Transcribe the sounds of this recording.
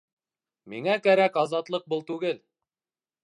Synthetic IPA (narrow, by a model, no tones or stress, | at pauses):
miŋækæɾækɑzɑt̪lˠɤq̚bɤlˠt̪ʉɡɘl